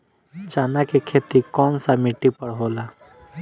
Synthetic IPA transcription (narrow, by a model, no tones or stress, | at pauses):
t͡ʃaːnakekʰeːt̪ikɔːnsamɪʈːipɐɽɦoːlaː